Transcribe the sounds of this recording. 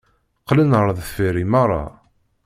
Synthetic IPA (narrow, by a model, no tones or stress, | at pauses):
qːlənəɾˤðˤfiɾimɑʁɾˤːɑ̰